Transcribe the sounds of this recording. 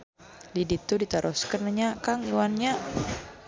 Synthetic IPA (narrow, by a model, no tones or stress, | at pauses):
didit̪udit̪aɾʔɔskərnaɲakaŋiwanɲa